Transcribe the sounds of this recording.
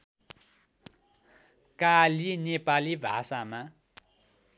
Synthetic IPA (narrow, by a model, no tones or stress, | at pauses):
kalinepalibʱasama